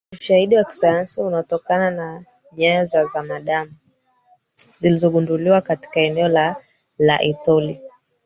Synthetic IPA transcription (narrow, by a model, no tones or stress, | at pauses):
muʃahiɗiwaki̥sajansiunaɔtɔkanana | ɲajzazamaɗamu | zilizɔɠunduliwakati̥kaɛnɛɔla | la̰ʔitɔli